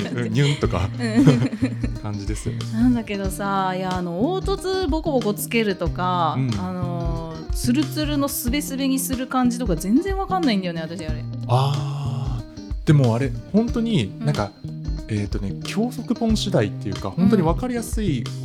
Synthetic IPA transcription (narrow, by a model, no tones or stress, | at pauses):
ɯ̃ɲɯ̃nt̪o̞ka̰ɯ̃ | kãɲ̟d͡ʑid̪e̞sɨjo̰nenãnd̪ake̞d̪o̞sajaːno̞oːt̪o̞t͡sɨbo̞kobo̞ko̞t͡sɨ̥ke̞ɾɯ̟t̪o̞kaɯ̟̃ɴːno̞ | t͡sɨɾɯ̟t͡sɨɾɯ̟no̞sɨbe̞sɨbe̞ɲ̟isɨɾɯ̟kãɲ̟d͡ʑit̪o̞kazẽ̞nd͡zẽ̞ɰ̃βakãnːaĩnd̪ajo̞ne̞at̪aɕiɲiaɾḛaː | d̪̥e̞mo̞aɾe̞hõ̞nt̪o̞ɲ̟inãŋkaeːt̪ːo̞ne̞kʲʰo̞ːso̞kɯ̟bõ̞ɰ̃ɕid̪ait̪ːe̞jɯ̟ka̰hõ̞nt̪oɲ̟iβakaɾʲijasɨi